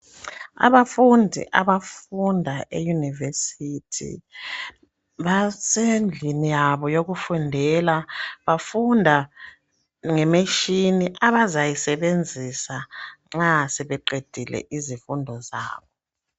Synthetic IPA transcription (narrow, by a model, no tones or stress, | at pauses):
a̰βafundʱḭʔaβafundʱaʔejunivesitʰḭ | βasend͡ɮʱinijaβɔjoɣufundʱɛlaβafundʱa | ŋɛmeʃiniʔaβazajisɛβend͡zʱisaŋ͡ǁasɛβɛǃed̥ʱilɛ̰ʔizifundʱɔza̰ːβɔ